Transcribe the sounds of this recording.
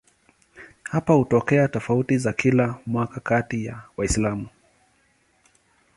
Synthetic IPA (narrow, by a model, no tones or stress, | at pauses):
hapahutɔkɛatɔfautizakʰilamwakakatijawaislamu